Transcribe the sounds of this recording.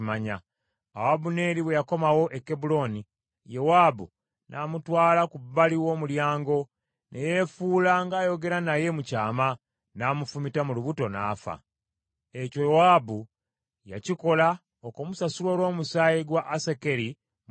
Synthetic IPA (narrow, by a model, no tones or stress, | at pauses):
maɲa | awabune̞ːɾiβwe̞jako̞mawo̞ʔe̞kːe̞bulo̞ni | jewaːbu | nʔaːmutwaːlakubːaliwo̞ːmuljaːŋɡo̞ | nʔejefuːlaŋɡaːjo̞ɡe̞ɾanaje̞mucaːma | namufumitamuluβuto̞na̰ːfa̰ | ecowabu | ja̰ciko̞la | okomusasulwoːlwo̞ːmusaːjiɡwaʔːseke̞ɾi | m